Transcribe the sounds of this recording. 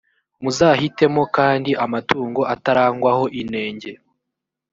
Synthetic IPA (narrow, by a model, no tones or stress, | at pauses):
muzaːhite̞mo̞kaːndiʔamatuːŋɡo̞ʔataɾaːŋɡwaho̞ʔine̞ːɲɟe̞